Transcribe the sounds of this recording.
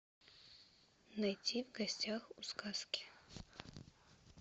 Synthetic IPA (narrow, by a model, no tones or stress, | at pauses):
nɐjtʲʰivɡɐsʲtʲaxuskaskʲɪ̥